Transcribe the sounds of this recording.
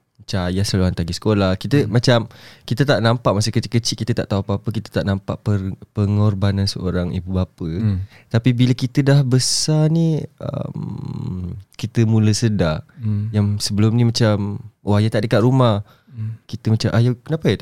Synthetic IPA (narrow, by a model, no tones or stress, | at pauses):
t͡ʃajasəluɦant̪aɡisə̥kolahkit̪əmat͡ʃamkit̪ət̪aʔnampaʔmasəkət͡ʃiʔkːət͡ʃiʔkit̪ət̪aʔt̪auapapəkit̪ə̥t̪aʔnampa̰ʔpəpəŋɔrbanansəʔoɾaŋibubapə | t̪apibiləkit̪ədahbəsaniə̰m | kit̪əmũləsədajaŋsəbəlʊmnimat͡ʃamoajat̪aʔdəkat̪̚ɾumah | kit̪əmat͡ʃamʔajakənapajat̪aʔ